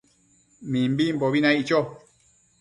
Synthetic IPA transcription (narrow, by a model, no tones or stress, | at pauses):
mĩmbim̩bɔbinãit͡ʃɔ